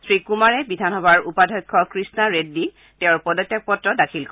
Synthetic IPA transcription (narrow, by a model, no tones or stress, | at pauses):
sɹikumaɹɛbidʱanɔbaɹupadʱɔjkʰːɔkɹisnaɹedːi | tẽʊɹpɔdɔtːjak̚pɔtɹɔdakʰilk